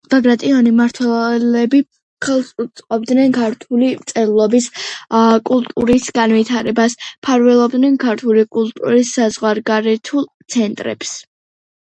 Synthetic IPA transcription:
b̥aɡɾat̪ʼiɔnimaɾt̪ʰwɛlɛbi | χɛlˠsʼut̪sʼqʼɔb̚d̪nɛnkʰaɾt̪ʰulit̪sʼɛɾlˠɔbis | kʼulˠt̪ʼuɾisɡanvit̪ʰaɾɛbaspʰaɾvɛlˠɔbd̪nɛnkʰaɾt̪ʰulikʼulˠt̪ʼṵɾisːazʁwaɾɡaɾɛt̪ʰulˠt̪sʰɛnt̪ʼɾɛ̰ps

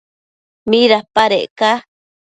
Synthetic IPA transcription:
miɾapaɾeʔka

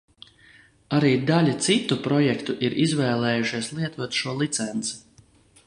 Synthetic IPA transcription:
aɾiːd̪alʲat̪sit̪ːupɾɔjɛkt̪uʔiɾʔizvɛːlˠɛːjuʃiɛslˠiɛt̪uɔt̪ʃuɔlˠit̪sɛnt̪si̥

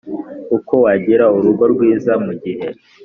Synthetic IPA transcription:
uko̞waɟiɾauɾuɡo̞ɾɡwiːzamuɟihe̞

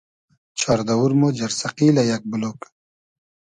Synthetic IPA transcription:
t͡ɕʰaɾd̪ɐwuɾmod͡ʑɐɾsɐqiːlɐjɐk̚bulok

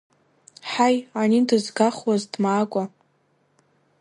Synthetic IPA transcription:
ħajanindɨzɡaχwazdmaːkʷʼa

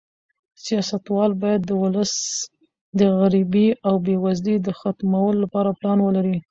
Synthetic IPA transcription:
sijɑsat̪wɑlbɑjad̪ːəwʊləs | d̪əɣaɾibiawbewazlid̪əxat̪mawəlolapɑɾaplɑnwəlaɾi

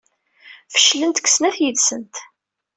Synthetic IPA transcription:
fə̥ʃlənt̪kʷːsnæθjiðsənt̪

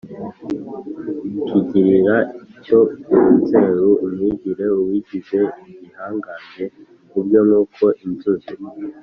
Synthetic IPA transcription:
kiɟiɾiɾaiicouute̞ːɾuʔumiɟiɾe̞uwiɟize̞iɟihaːŋɡane̞ | kubɟjo̞nuːkʰo̞ʔinzuzi

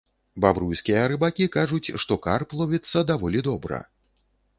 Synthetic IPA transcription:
babɾujskʲijɐɾɨbakʲikaʐut͡sʲʂt̪ɔkarplˠɔvʲit̪sːɐd̪avɔlʲid̪ɔbɾɐ̰

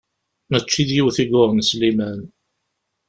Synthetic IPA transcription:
mət͡ʃːiðjiwθiɡʊʁnslimæn

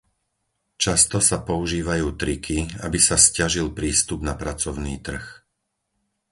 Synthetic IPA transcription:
t͡ʃast̪ɔsapɔuʒiːʋajuːt̪ɾikʰia̰bisascaʒilpɾiːst̪ubnapɾat͡sɔʊniːt̪r̩x

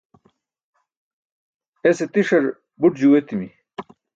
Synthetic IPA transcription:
eset̪iʂɐɾ | buʈd͡ʑuwet̪imi

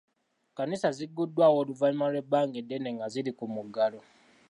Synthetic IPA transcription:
kanisaziɡːudːwaːwoluvalimalwe̞baːŋɡedːene̞ŋɡazilikumuɡalo

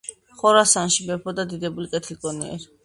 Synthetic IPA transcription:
χɔɾasanʃibɛpʰɔd̪ad̪id̪ɛbulikʼɛt̪ʰlikʼɔniɛ̰ɾi

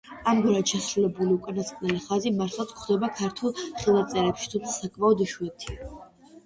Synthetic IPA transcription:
amɡwiɾat̪ʃasɾulɛbuliukʼanasqʼnɛliχazimaɾt̪ʰlˠat̪sʰkχd̪ɛbakʰaɾt̪ʰulˠχilˠat̪sʼɛɾɛpʃi̥t̪ʰumt̪sʰasakʼmaɔd̪iʃuɛt̪ʰia

